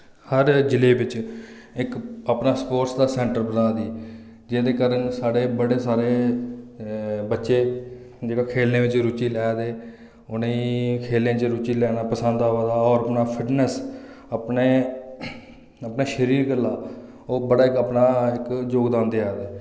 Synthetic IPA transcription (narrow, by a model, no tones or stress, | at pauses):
həɾd͡ʒɪleːʋɪt͡ʃɪkəpnaːspoːʈsd̪aːsɛ̃ːɳʈəɾbənãːd̪iː | d͡ʒeːd̪eːkaːɾənsaːɽeːbəɽeːsaːɾeː | bətːʃeː | d͡ʒeːɡaːkʰeːlnẽːʋɪt͡ʃɾʊt͡ʃiːlɛːd̪eː | ʊneːĩːkʰeːlẽːt͡ʃɾʊt͡ʃiːlɛːnaːpəsənd̪aɦoaːd̪aːɔːɾəpnaːpʰɪʈnəs | əpneː | əpnaːʃəɾiːɾɡəlːaː | oːbəɽaːɪkəpnaːɪkd͡ʒoːɡd̪ãːnd̪eːaːd̪eː